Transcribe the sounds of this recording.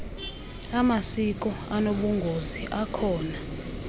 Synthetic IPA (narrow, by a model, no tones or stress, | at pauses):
amasik̬ʼɔanoɓuŋɡʱoziʔakʰɔːna